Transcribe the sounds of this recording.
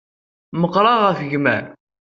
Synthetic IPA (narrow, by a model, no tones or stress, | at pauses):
məqɾˤɑʁəfəʝmæ̰n